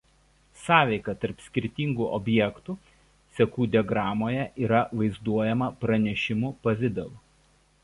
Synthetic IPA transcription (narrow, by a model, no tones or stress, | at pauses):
sɑːʋʲɛɪkɐt̪ɐɾpsʲkʲɪɾʲt̪ʲiːˑŋɡuːʔɔbʲjɛkt̪uː | sʲɛkuːd̪ʲɛɡɾɑːmoːjɛʔiːɾɐʋɐɪzd̪uɔjɛmɐpɾɐnʲɛʃʲɪmʊpɐʋʲɪd̪ɛʋˠʊ